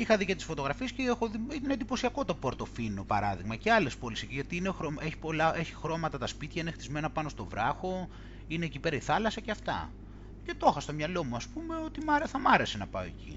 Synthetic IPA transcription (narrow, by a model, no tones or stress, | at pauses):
ixɐðicet̪i̥sfot̪o̞ɣɾɐfiesceexoðiit̪ɐnend̪ipo̞siɐko̞t̪ɐpoɾt̪o̞finopɐɾɐðiɣmɐceɐle̞spo̞lisiʝɐt̪iinexɾoeçi̥po̞lɐe̞çixɾo̞mɐt̪ɐt̪ɐspit̪çɐinext̪izme̞nɐpɐno̞st̪o̞vɾɐxo̞ | ineːcipe̞ɾɐiθɐlɐsɐceɐft̪ɐ̰ | ce̞t̪o̞xɐst̪o̞mɲɐlo̞muɐspume̞o̞t̪imɐɾeθɐmɐɾe̞senɐpɐ̰oḛcḭ